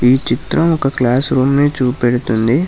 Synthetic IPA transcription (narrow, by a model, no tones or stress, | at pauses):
iːt͡ʃit̪ɾɐmɔkɐklaːsɾuːmniːt͡ʃuːpeɽut̪und̪i